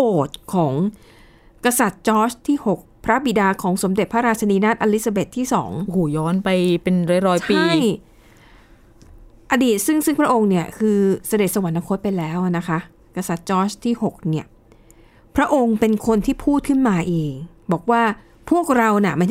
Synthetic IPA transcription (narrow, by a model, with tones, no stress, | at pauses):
oː˨˩t̪̚kʰɔː˩˦ŋ | ka˧sa˨˩t̪̚t͡ɕɔː˦˥sʰt̪ʰiː˥˩ho˨˩k̚pʰɾa˦˥bi˨˩daː˧kʰɔː˩˦ŋso˩˦mde˨˩t̪̚pʰa˦˥ɾaː˧t͡ɕʰa˧niː˧naː˥˩t̪̚ʔaː˧li˦˥t̚sa˧be˨˩t̪ʰːiː˥˩sɔ̰ː˩˦ŋo˧˨huː˧˩jɔː˦˥npa˧jpe˧nɾa˧jɾɔː˧jpiː˧a˧˥˩j | ʔa˧diː˨˩t̪̚sɯ˥˩ŋsɯ˥˩ŋpʰɾa˦˥ʔo˧ŋni˥˩ɐkʰɯː˧sa˧de˨˩t̪̚sa˧wa˨˩˦nːa˧˥kʰo˦˥t̪̚pa˧jlɛː˦˥wna˦˥kʰa˦˥ | ka˧sa˨˩t̪̚t͡ɕɔː˦˥˩st̪ʰiː˥˩ho˨˩k̚ni˥˩ɐ | pʰɾa˦˥ʔo˧ŋpe˧nkʰo˧nt̪ʰiː˥˩pʰuː˥˩t̪̚kʰɯ˥˩nmaː˧ʔiː˨˩kbɔː˨˩k̚waː˥˩ | pʰu˥˩ək̚ɾa˧wna˧˩ma˧˥˩